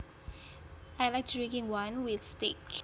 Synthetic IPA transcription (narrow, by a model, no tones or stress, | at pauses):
ajlajk̚tʰd̥ɹĩŋkĩŋwãnwiθstik